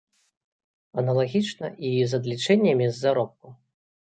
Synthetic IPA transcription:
ɐnɐlˠaɣʲit͡ʂnɐʔizɐd̪lʲit͡ʂɛnʲːɐmʲizːaɾɔp̚ku

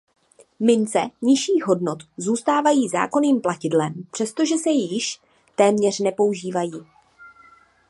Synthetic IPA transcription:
mɪnt͡sɛɲɪʃiːɣɦo̞dno̞t̪zuːst̪aːvajiːza̰ːko̞niːmplacɪdlɛmpr̥ɛst̪o̞ʒɛsɛjɪʃ | t̪ɛːmɲɛr̝nɛpo̞uʒiːvajiː

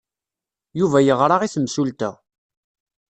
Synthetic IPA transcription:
juvæjəʁɾˤɑʁiθəmsult̪æ̰

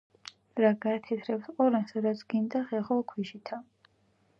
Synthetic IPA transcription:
ɾaɡaːt̪ʰɛt̪ʰɾɛpsqʼɔɾɛnsɾat̪sʰɡind̪aχɛχɔkʰwiʃit̪ʰa

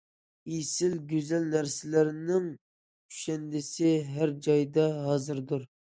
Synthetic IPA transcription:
isɪlɡʲøzælnæɾsɪlæɾnɪŋ | y̥ʃɛnd̪ɪsɪɦæɾd͡ʒɑjd̪ɑɦɑːzɨɾd̪uɾ

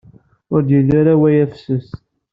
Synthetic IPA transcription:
ʊɾd̪jilaɾawæjæfsəs

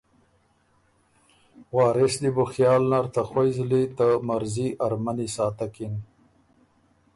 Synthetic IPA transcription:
wɑːɾesd̪ibʊxjɑːlnaɾt̪axojzlit̪amaɾziʔaɾmanisɑːt̪akin

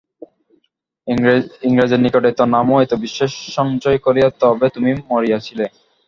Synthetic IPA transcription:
iŋɾad͡ʑeɾnikoʈet̪onamoet̪obiʃːeʃːɔŋd͡ʑojkoɾijat̪ɔɦɔbet̪umimoɾijat͡ɕʰile

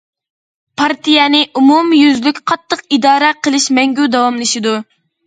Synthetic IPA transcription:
pʰɑɾt̪ijɛnɪʔumumjyzlykʲqʰɑt̪ʰːəqid̪ɑːɾɛqʰəlˠɨʃmɛŋɡʲud̪ɑwɑmlˠɨʃid̪u

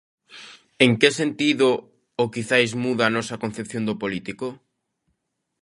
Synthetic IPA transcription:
eŋkesent̪iðo | okiθajzmuðaːnɔsɐkon̟θepθjõnd̪ʊpolit̪iko

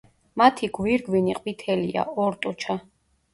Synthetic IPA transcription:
mat̪ʰiɡwiɾɡwiniqʼwit̪ʰɛlḭa̰ɔɾt̪ʼɔt͡ʃʰa

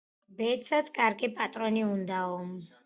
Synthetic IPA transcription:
bɛt̪sat̪sʰkʼaɾɡipʼat̪ʼɾɔniund̪aɔmz

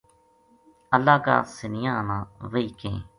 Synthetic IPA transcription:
əlːaːka̰ːsɪnɪjãːnãːʋəiːkḛ̃ː

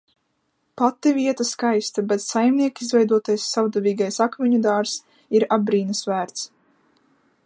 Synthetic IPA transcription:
pat̪ːiviɛt̪askajst̪abɛt̪sajmniɛkizvɛjd̪uɔt̪ajsːawd̪avʲiːɡajsakmʲiɲud̪aːɾs | iɾabɾiːnɨsvæːɾt̪s

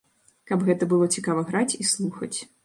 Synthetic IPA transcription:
kɐbɣɛt̪ɐbɨlˠɔt͡sʲikavɐɣɾat͡sʲislˠuxɐ̰t͡sʲ

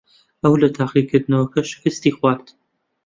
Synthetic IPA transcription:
ɐwlɐt̪ʰaːqikʰɨɾd̪ɨnɐwɐkɐʃɨ̥kɨst̪iːxwɑːɾt̪

